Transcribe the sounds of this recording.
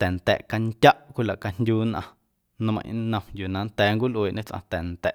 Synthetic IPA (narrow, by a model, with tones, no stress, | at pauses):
t̪ɛ˨n˨t̪ɛ̰˨ʔka˧ŋt̪ʲa˦ʔkʷi˦˨la˨ʔka˧ndʲjuː˦nʔã˧ | nə̃˧mə̰̃˨ʔnə̃˧mju˨nã˨˦nt̪ɛː˨˦ŋkʷi˦lʔweː˨ʔɲẽ˦t͡sʔã̰˧t̪ɛ˨nt̪ɛ˨ʔ